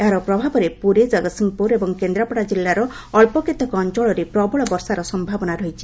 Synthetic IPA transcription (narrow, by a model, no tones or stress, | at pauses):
eɦaɾɔpɾɔbʱabɔɾepuɾed͡ʒɔɡɔt̪siŋpuɾebɔŋkend̪ɾapɔɽad͡ʒilːaɾɔː | ɭpɔket̪ɔkɔɔnt͡ʃɔɭɔɾepɾɔbɔɭɔbɔɾsaɾɔsɔmbʱabɔnaɾɔit͡ʃʰi̥